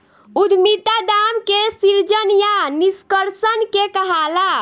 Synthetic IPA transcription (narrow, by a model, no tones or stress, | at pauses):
ud̪ʱmit̪ad̪amkesiɾd͡ʒənjaniskəɾsənkekəɦala